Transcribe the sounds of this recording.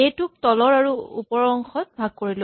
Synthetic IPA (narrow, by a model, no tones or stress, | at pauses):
ejtʊk̚tɔlɔɹaɹuṵpɔɹɔŋxɔt̚bʱaɡ̚koɹilo